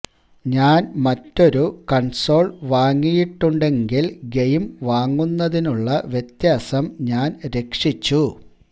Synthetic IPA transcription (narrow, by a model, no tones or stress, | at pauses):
ɲaːnmɐtːo̞ɾukɐɳso̞ːɭʋaːŋːijiʈːuɳɖe̞ŋɡilɡejmʋaːŋːunːɐðinuɭːɐʋjet̪jaːsɐmɲaːnɾe̞kʂit͡ɕːu